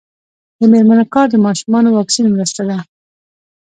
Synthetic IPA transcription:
d̪əmeɾmanokɑɾd̪əmɑʃumɑnowɑksinmɾəst̪ad̪a

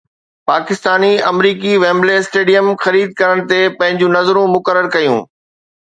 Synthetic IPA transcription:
paːkɪst̪aːniɐmɾiːkiʋẽːmblesʈeːɖijəmxɐɾiːd̪̚kɐɾəɽ̃̆t̪epɐ̃ɦɪ̃ɲd͡ʑũnɐzɾũmʊkəɾəɾkɐjṵ̃ː

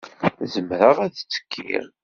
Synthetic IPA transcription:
zəmɾəʁæðt͡sːə̥kʰːḭɾ

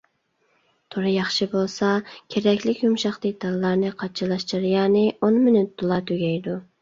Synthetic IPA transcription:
t̪ʰoɾɨjɑχʃɨbolˠsɑkʲʰeɾɛkʲlɪkʲjumʃɑχd̪ɨk̚ʲd̪̥ɑlˠlːˠɑɾnɨqʰɑt͡ʃʰɨlˠɑʃt̪ɨɾjɑːnɪonmɪnyt̪̚d̪olˠɑt̪ʰøɡʲɛjd̪u

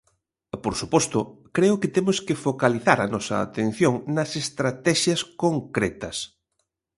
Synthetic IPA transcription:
poɾsupɔst̪ʊ | kɾeʊkɪt̪emʊskɪfokaliθaɾɐnɔsɐ̰ːt̪ẽn̟θjoŋnɐsest̪ɾat̪ɛʃjɐskoŋkɾɛt̪ɐs

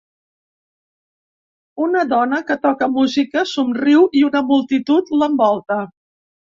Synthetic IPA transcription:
unəðɔnəkət̪ɔkəmuzikəsumriwʔiunəmulˠt̪it̪ut̪ləmbɔlˠt̪ə

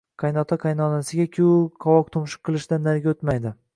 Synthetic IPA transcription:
qʰɑjnɒt̪ʰaqʰɑjnɒnasɪɡʲakʲʰɪqʰɒvɒq̚t̪ʰomʃɪ̥qːɨlˠɪʃd̪anːaɾɡʲaot̪majd̪ɪ

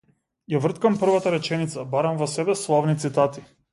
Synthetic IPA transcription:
javr̩t̪kampr̩vat̪aɾɛt͡ʃɛnit̪sabaɾamvɔsɛbɛslˠavnit̪sit̪at̪i

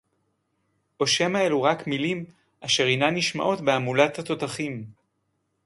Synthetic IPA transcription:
ʔo̞ʃe̞maeluʁakmilim | ʔaʃe̞ʁinaniʃma̰ʔo̞tbeamulathat̪o̞taχim

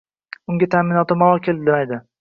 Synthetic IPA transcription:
ʊŋɡʲat̪ʰamɪnɒt̪ɪmalˠɒkʲʰeld̪ɪd̪ɪmajd̪ɪ

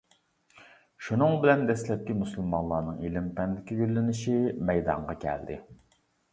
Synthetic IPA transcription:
ʃunɨŋbɪlɛnd̪ɛslɛp̚kʲimusulˠmɑnlˠːɑːnɨŋilɪmpɛnd̪ɪkʲiɡʲølːɪnɪʃimɛjd̪ɑ̰ɴʁɑkʲʰɛ̰ld̪ɪ̰

